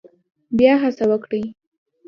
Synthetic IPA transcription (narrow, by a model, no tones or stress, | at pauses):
bjɑɦasawəkɽij